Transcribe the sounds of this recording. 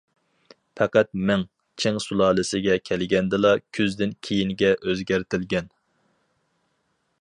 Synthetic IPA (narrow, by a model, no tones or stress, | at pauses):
pʰɛqæt̪̚mɛŋ | t͡ʃʰeŋsulˠɑːlˠɨsɪɡʲɛkʲʰɛlɡʲɛnd̪ɨlˠɑkʲʰyzd̪ɪnkʲʰeijinɡʲɛʔøzɡʲæɾt̪ʰɪlɡʲɛn